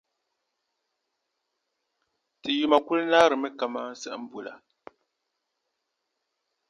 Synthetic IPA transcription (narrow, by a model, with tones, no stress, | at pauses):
ti˨ju˨ma˨ku˦lnaː˦ɾɨ˨mɛ˦ka˨maː˦n̩˦sɛ̰˨ʔm̩˦bu˨la̰˨